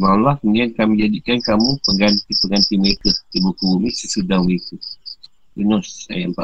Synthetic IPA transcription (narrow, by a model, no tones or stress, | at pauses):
malahŋɛnkamə̃ɲd͡ʒadikankamupəŋɡant̪ipəŋɡant̪iməɾekat̪əbukubumisəsudaŋwiku | bənɔsːa̰jampa